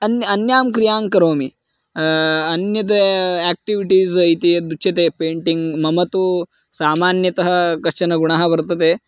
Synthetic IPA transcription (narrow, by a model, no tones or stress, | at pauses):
ɐnɐnjaːmkɾijaːŋkɐɾoːmi | ɐnjɐt̪̬ɐɛːk̚ʈiʋiʈiːzɐjt̪ijɐd̪uʃɐt̪eːpeːɳʈiŋɡmɐmɐt̪u | saːmaːnjɐt̪ɐɦɐ̆kɐʂɐnɐɡuɳaːɦɐ̆ʋɐɾt̪ɐt̪eː